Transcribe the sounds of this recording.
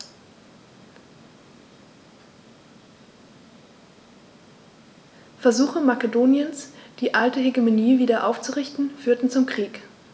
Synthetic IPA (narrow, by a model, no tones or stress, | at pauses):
fɛɐzuːxəmakədoːnjənsd̥iːʔaltəɦeɡymoniːviːdɐʔa̰ʊft͡suʁɪçtn̩fyːɐtn̩t͡sʊmkʁ̥iːk